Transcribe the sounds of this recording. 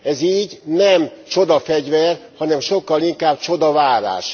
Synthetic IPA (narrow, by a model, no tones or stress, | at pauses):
ɛziːɟnɛmt͡ʃo̞d̪ɒfɛɟvɛrhɒnɛmʃo̞kːɒliŋkaːb̚t͡ʃo̞d̪ɒvaːɾa̰ːʃ